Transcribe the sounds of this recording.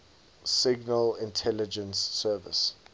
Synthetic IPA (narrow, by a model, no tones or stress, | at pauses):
sɪɡnəlɪ̃ntʰɛlɪd͡ʒə̃nsːɜːvɪ̰s